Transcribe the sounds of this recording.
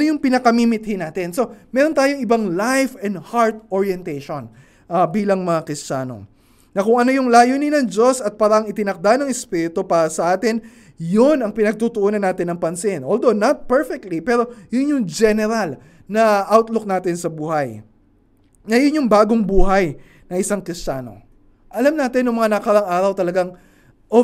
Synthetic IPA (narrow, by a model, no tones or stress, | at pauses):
ojʊŋpɪnɐkɐmiːmɪt̪̚hɪnaːt̪ɪnso̞mɛːɾo̞nt̪aːjoŋɪbɐŋlajfɛnd̪haɹt̪̚oɹjɛnt̪ɛjʃo̞n | ʔɐbiːlɐŋmɐŋakɾɪst͡ʃaːno̞̰ | nɐkʊŋʔɐno̞jʊŋlaːjonɪnɐŋd͡ʒo̞sɐt̪̚paːɾɐʔɐŋɪt̪ɪnɐk̚d̪anɐŋɛspiːɾɪt̪opaːɾɐsɐʔaːt̪ɪn | jonɐŋpɪnɐɡ̚t̪ut̪ʊʔoːnɐnːaːt̪ɪnːɐŋpɐnsɪnʔoːld̪onɐt̪̚pɛɹfɛk̚t̪lipɛːɾo̞jʊnjʊŋd͡ʒɛnɛɾal | nɐʔawt̪lok̚naːt̪ɪnsɐbuːɦɐj | ŋɐjonjʊŋbaːɡoŋbuːɦɐj | nɐʔɪsaŋkɾɪst͡ʃaːno̞̰ | ʔɐlamnaːt̪ɪnjʊŋmɐŋanɐkɐɾɐŋaːɾɐwt̪ɐlɐɡaŋ | ʔo